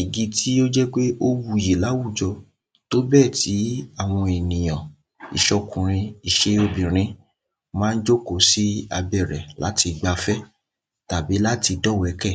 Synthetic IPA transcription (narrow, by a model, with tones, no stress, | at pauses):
i˨ɡi˧tʰi˦o˦d͡ʒɛ˦k͡pe˦o˦wu˧˨ji˨la˨˦wu˦˨d͡ʒɔ˧ | to˦bɛ˦˨ti˨˦a˦˨w̃ɔ̃˧e˨nĩ˨j̃ã˨ | ḭ˨ʃɔ˧kũ˨ɾ̃ĩ˧i˨ʃe˦o˧bĩ˨ɾ̃ĩ˨˦ | mãː˦˧n̩˦d͡ʒo˦ko˨˦si˦a˧bɛ˦˨ɾɛ˨la˨˦ti˧ɡ͡ba˧fɛ˦ | ta˨bi˨˦la˦ti˧dɔ˦˨wɛ˨˦kɛ˦˨